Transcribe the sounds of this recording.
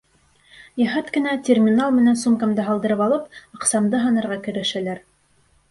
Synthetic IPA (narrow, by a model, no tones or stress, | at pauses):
jæɦɑt̪kɘ̆nætʲermʲinalˠmɘ̆nænsumkɑmd̪ɤɦɑlˠd̪ɤ̆ɾɤpɑlˠɤpɑqsɑmd̪ɤɦɑnɤ̆ɾʁɑkɵ̆ɾɘ̆ʃælæɾ